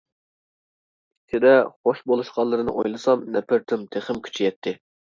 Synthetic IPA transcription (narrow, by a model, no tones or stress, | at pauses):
t̪ʰɪd̪ɛχoʃbolˠuʃqɑlˠːɨɾɨnɨ̰ʔojlˠɨsɑmnɛpʰɪɾt̪ʰymt̪ʰeχɪmkʲʰy̥t͡ʃʰijɛt̪ʰːɪ